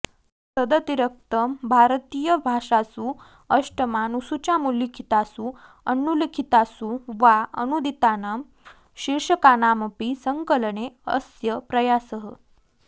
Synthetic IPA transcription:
səd̪ət̪iɾək̚t̪əmbʱaɾt̪iːjəbʱaʂasuː | əʂʈəmanusut͡ɕjamuljikʰit̪asu | ənːulikʰit̪asuʋaənud̪ʱit̪anam | ɕiɾʂəkanampisəŋkəlɳeəsjəpɾəjasəɦə

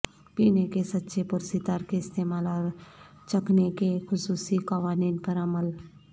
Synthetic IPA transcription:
piːnekesɐtːʃʰepʊɾsit̪aːɾkeɪst̪eːmaːla | t͡ʃəknekexʊsuːsikaʋaːniːnpəɾɐməl

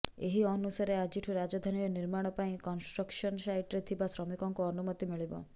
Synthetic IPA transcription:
eɦiɔnusaɾead͡ʒiʈʰuɾad͡ʒɔd̪ʱaniɔniɾmaɽ̃ɔpaĩkɔnsʈɾɔkʃɔnsajʈɾet̪ʰibasɾɔmikɔŋkuɔnumɔt̪imiɭibɔ̰

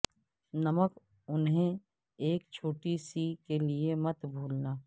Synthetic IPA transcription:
nɐmək | ʊnɦẽ | eːkt͡ʃʰoːʈisikeliemɐt̪bʱuːlnaː

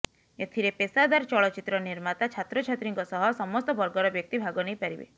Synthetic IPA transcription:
et̪ʰiɾepesad̪aɾt͡ʃɔɭɔt͡ʃit̪ɾɔniɾmat̪at͡ʃʰat̪ɾɔt͡ʃʰat̪ɾiŋkɔsɔɦɔsɔmɔst̪ɔbɔɾɡɔɾɔbjɔk̚t̪ibʱaɡɔnejpaɾibḛ

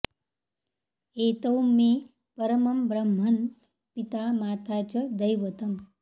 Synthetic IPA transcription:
eːt̪ɐwme | pɐɾəmɐmbɾəm̤ːɐn | pit̪amaːt̪ʰat͡ʃɐd̪əjʋət̪ɐm

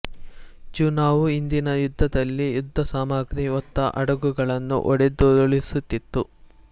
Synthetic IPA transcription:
d͡ʒuːnaːʋuind̪inɐjud̪ʱːɐd̪ɐlːijud̪ʱːɐsaːmaːɡɾiɔt̪ːɐ̰ʔɐ̰ɽɐɡuɡɐɭɐnːṵʔɔɽed̪od̪ɐɭisut̪ːit̪ːu

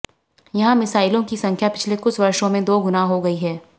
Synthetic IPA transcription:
jɐɦãmɪsaːɪlõkisɐ̃ŋkʰjapɪt͡ʃʰlekʊt͡ʃʰʋɐɾʃõmẽd̪oːɡʊnaɦoɡɐiɦɛː

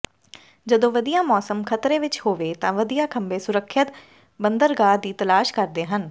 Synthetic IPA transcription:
d͡ʒəd̪õːʋəd̪ijãːmɔːsəmkʰət̪ɾeːʋɪt͡ʃhoːʋeːt̪ãːʋəd̪ijãːkʰəmbẽːsʊɾəkʰːət̪ | bənd̪əɾɡaːd̪iːt̪əlaːʃkəɾd̪eːɦən

